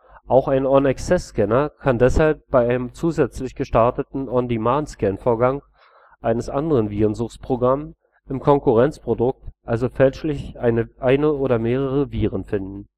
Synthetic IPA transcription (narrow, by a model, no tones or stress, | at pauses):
ʔaʊxaɪnɔnɛksɛsːkɛnɐkʰandɛshalp̚b̥aɪʔaɪnəmt͡suːzɛt͡slɪçɡ̥əʃtaɐtətn̩ʔɔndimaːnskɛnfoːɐɡaŋ | ʔaɪnəsʔandəʁənviːʁənzʊχspʁ̥oɡʁam | ʔɪmkʰɔŋkʊʁɛnt͡spʁ̥odʊk̚tʔalzofɛlʃlɪçʔaɪnəʔaɪnəʔoːɾɐmeːʁ̞əʁəviːʁənfɪndn̩